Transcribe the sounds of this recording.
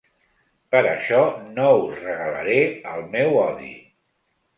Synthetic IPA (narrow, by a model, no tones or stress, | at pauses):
pəɾəʃɔnouzrəɣələ̰ɾeəlˠmɛwɔðḭ